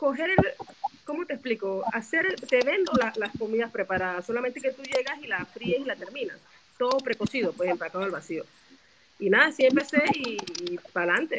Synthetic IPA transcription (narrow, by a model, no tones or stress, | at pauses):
ko̞ɦe̞ɾelko̞mo̞t̪eːsplikoase̞ɾt̪eβe̞nd̪olalaskomiðaspɾe̞paɾaðasolament̪e̞ket̪uʝe̞ɣasilafɾiesilat̪e̞ɾmĩna̰s | t̪o̞ðopɾe̞ko̞sið̞opwehemplakaðoalβasio̞ | inaðasiempe̞se̞ipalant̪e̞